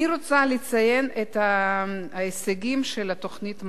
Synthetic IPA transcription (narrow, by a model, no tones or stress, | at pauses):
iɾot͡salet͡saje̞net̪a | eseɡimʃelat̪o̞χnit̪m